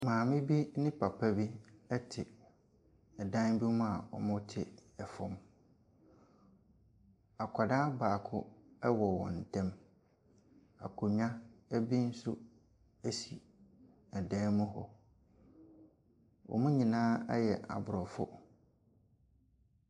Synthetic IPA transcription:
mãː˨mɪ̃˦bi˦nɪ̃˦pʰa˨pʰa˦bi˦ɛ˦tʰɪ˨ | ɛ˨dã˦n˦bi˦mʊ̃˦a˨wɔ̰˨mʊ̃˦tʰɪ̰˦ɛ˨fɔ̃˦m | a˨kʰʷa˨dã˦baː˨kʰʊ˦ɛ˦wɔ˨wɔ̰̃˨n̩˨tʰɛ̃˦m | a̰˨kʰʊ˨ɲ˦ã˦æ˦bi˦n̩˦sʊ˦ | æ˦si˨ | ɛ˨dɛ̃ː˦mʊ̃˦ɦɔ̰˨ | wɔ̰˨mʊ̃˦ɲĩ˨nãː˦ɛ̰˦jɛ˨ʔa̰˨bʊ˨ɾɔ˨fʊ̰˦

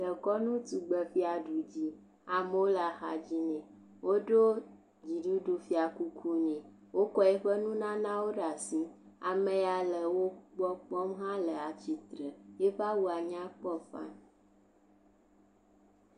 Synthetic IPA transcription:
ɖə˨kɔ˦nũ˦t̪u˨ɡ͡bə˨fi˦a˨ɖu˨d͡ʑi˦ | a˨m˦wo˦la˨xa̰˨d͡ʑi˦nɛ̃˨ | wo˦ɖo˦ | d͡ʑi˨ɖu˦ɖu˦fi˦a˨ku˦kʰu˦ɲɛ̃˨ | wo˦kɔ˦ɛ˦ɸə˦nũ˦nã˦nã˦wo˦ɖa˨si˦ | a̰˨mẽ˨a˨lə˨wo˦k͡pɔ˦k͡pɔ˦mɦã˦lə˨a˨t͡ɕi˨t̪ɾə˨je˦ɸa˦wu˦a˨ɲã˦k͡pɔ˦fã̰˦n

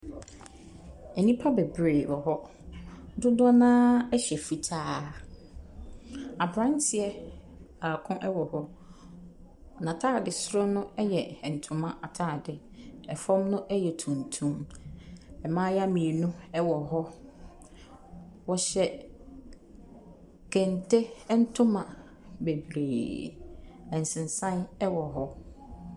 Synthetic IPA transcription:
ɛ˨nĩ˦pʰa˦bɛ˨bɾe˨wɔ˨ɦɔ˦ | dʊ˦dɔ˦nãː˦ɛ˦ɕɛ˨fi˨tʰaː˦ | a˨bɾã˦n˦tʰɪ˨ɛ˦ | a˨kʰʊ̃˦ʔɛ˦wɔ˨hɔ˦ | nã˨tʰaː˦˨dɪ˨sɾʊ˦nʊ̃˦ɛ˦jɛ˨n̩˨tʰʊ̃˨mã˦ʔa˨tʰaː˦˨dɪ˨ | ɛ˨fɔ̃˦mnʊ̃˦ʔɛ˦jɛ˨tʰũ˨n˨tʰũ˦m | ɛ˨mãː˦ja˦mĩ˨e˨nũ˦ɛ˦wɔ˨ɦɔ˦ | wɔ˨ɕɛ˨ | kʰɛ̃˨n˨tʰe˦n̩˦tʰʊ̃˦mã˨ | be˨bɾeː˨ | ɛ̃˨n̩˨sɪ̃˨n˨sã˦nɛ˦wɔ˨ɦɔ˦

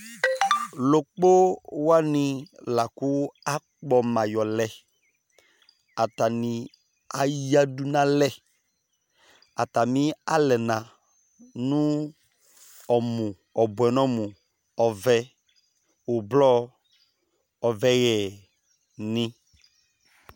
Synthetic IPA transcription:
lo˨k͡po˦wa˦nĩ˨la˨ku˦a˦ | k͡pɔ˨mã˨jɔ˨lɛ˨ | a˨ta˨ni˨ | a˨ji˦a˦du˦nã˨lɛ˦ | a˨ta˨mĩ˦a˦lɛ˨nã˨ | nũ˦ | ɔ˨mũ˨ | ɔ˨bwɛ˨n˦ɔ˦mũ˨ | ɔ˨vɛ˦ | o˨blɔ˦ | ɔ˨vɛ˦ɣɛ˨ | nĩ˦

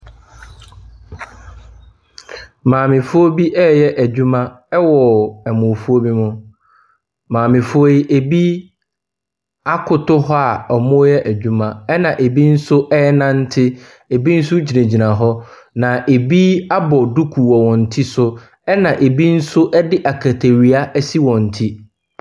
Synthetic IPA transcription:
mãː˨mɪ̃˨fʊ˦o˦bi˦ʔɛː˦jɛ˦ʔæ˨d͡ʑᶣu˦mã˦ | ɛ˦wɔ˨ɛ˨mʊ̃˨fʊ˦o˦bi˦mʊ̃˨ | mãː˨mɪ̃˨fʊ˦o˦i˦ʔe˨bi˦ | a˦kʰʊ˨tʊ˦ɦɔ˦a˨ɔ˨mʊ̃˦jɛ˦ʔæ˨d͡ʑᶣu˦mã˨ɛ˦nã˨ʔe˨bi˦n̩˦sʊ˦ʔɛ˦nã˦n̩˦tʰɪ˦ | e˨bi˦n̩˦sʊ˦d͡ʑi˨nẽ˨d͡ʑi˨nã˨ɦɔ˦ | nã˨ʔe˨bi˦a˦bɔ˨du˦kʰu˨wɔ˨wɔ̃˨n̩˨tʰi˦sʊ˦ | ɛ˦nã˨ʔe˨bi˦n̩˦sʊ˦ʔɛ˦dɪ˦ʔa˨kʰa˨tʰe˨ɾi˨a˦ʔɛ˦si˦wɔ̃˨n̩˨tʰi˦

